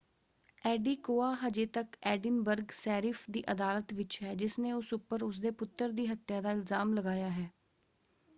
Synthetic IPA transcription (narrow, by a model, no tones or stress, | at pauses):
ɛːɖiːkoːaːɦəd͡ʒeːt̪əkɛːɖɪnbəɾɡsɛːɾɪːfʰd̪iːʔəd̪aːlət̪ʋɪt͡ʃɦɛːd͡ʒɪsnẽːʊsʊpːəɾʊs̬d̪eːpʊt̪ːəɾd̪iːɦət̪jaːd̪aːɪlzaːmləɡaːjaːɦɛː